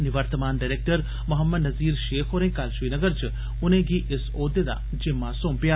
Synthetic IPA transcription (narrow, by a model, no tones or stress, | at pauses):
nɪʋəɾt̪əmaːnɖaɾeːk̚ʈəɾ | mʊɦəmːəd̪nɐziːɾʃeːxʰoːɾẽkaːlʃʋiːnəɡəɾt͡ʃʰ | ʊnẽɡiʔesoːd̪ed̪a̰ | d͡ʒemːãsõːmpja